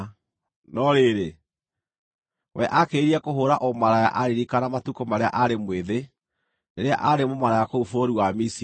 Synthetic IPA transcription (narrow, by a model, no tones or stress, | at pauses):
nɔɾeːɾe | wɛʔakeɾiakoɦoɾaʔɔmaɾaja̰ʔaɾiɾikanamatukomaɾea̰ʔaɾemweðe | neɾea̰ʔaɾemomaɾajakoufoɾuwamis